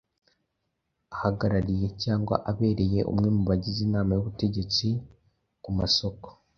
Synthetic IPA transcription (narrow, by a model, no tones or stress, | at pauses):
ahaɡaɾaɾije̞caːŋɡwa̰ʔaβe̞ːɾe̞je̞ʔṵmŋe̞muβaɟizinaːmajuβute̞ɟe̞t͡si | kumaso̞ko̥